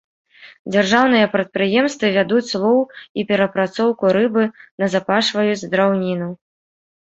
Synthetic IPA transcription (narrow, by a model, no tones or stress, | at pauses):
d͡zʲarʐawn̪ɨjɐpɾɐt̪̚pɾɨjɛmst̪vɨvʲad̪ut͡sʲslˠɔwipʲɛɾɐpɾat̪sɔwkuɾɨbɨnɐzapaʂvɐjud͡zʲzd̪ɾawnʲinu